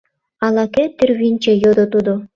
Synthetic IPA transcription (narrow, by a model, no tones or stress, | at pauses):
ɑlˠɑket̪ĭrʲβʲinʲt͡ɕĕjod̪ŏt̪ud̪ŏ